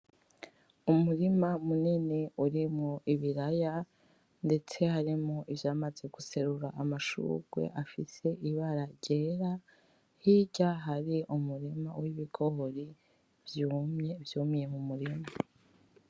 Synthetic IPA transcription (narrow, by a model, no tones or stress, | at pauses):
umuɾimamunene̞uɾimŋoʔiβiɾaja | nde̞t͡se̞haɾimŋoʔivjaːmaze̞ɡuse̞ɾuɾaʔamaʃṵɡ̥wḛʔafḭse̞ʔiβaɾaɾɟe̞ɾa | hiɟaɦaɾiʔumuɾima̰wiβiɡo̞ɦoɾi | vjuːmɲevjuːmije̞mumuɾima